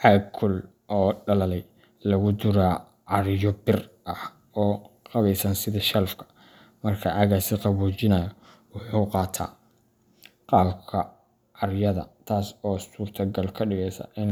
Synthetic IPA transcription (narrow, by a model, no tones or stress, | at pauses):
ħɑːkʰʊl | ʔɔːɖɐlɐlɛj | lɐɣʊd̪ʊɾaː | ʕɑɾjɔbɪrʔɐh | ɔːqɑβɛjsɐnsɪðɐʃɐlfkʰɐ̥ | mɐrkʰɐʔaːɣaːsɪqɑβuːt͡ʃɪnɐjɔ | wʊħuːqɑːt̪ʰa̰ː | qɑːbkʰɐ | ʕɑɾjɐðɐ̰t̪ʰaːsɔːsuːrt̪ʰɐɡɐlkʰɐɖɪɣɛjsɐ̰ʔɪn